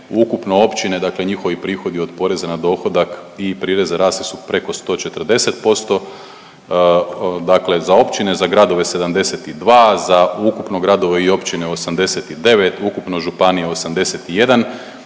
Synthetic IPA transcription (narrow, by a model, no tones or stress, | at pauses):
ukupno̞o̞pt͡ʃine̞d̪akle̞ɲixo̞ʋipɾiːxo̞d̪io̞d̪po̞ɾe̞zanad̪o̞ːxo̞d̪akipɾiːɾe̞zeɾaːsisupɾe̞ko̞st̪o̞ːt͡ʃe̞t̪ərd̪e̞se̞t̪̚po̞st̪o̞ | d̪akle̞zao̞pt͡ʃine̞zaɡɾad̪o̞ʋe̞se̞d̪amd̪e̞set̪id̪ʋaːzaukupno̞ɡɾad̪o̞ʋeio̞pt͡ʃineosamd̪e̞set̪id̪e̞ʋe̞t̪ukupno̞ʒupanijeosamd̪e̞set̪ije̞d̪an